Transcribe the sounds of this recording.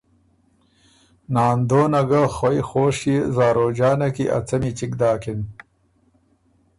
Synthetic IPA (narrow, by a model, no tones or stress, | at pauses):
naːnd̪oːnɐɡaxojxoːʂizaːɾoːd͡ʑaːnɐkiʔɐ̰t͡sɐmit͡ɕikd̪aːkin